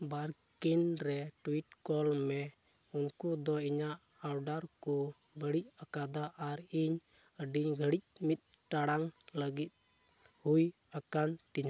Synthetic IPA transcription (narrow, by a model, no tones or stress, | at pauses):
baɾkinɾɛʈuiʈ̚kɔlmɛ | unkud̪ɔiɲaʔːwɖaɾku | bəɽic̚akad̪aʔaɾiɲ | əɖiɲɡʱəɽic̚mit̪̚ | ʈaɽaŋləɡit̪̚ | huj | akant̪iɲa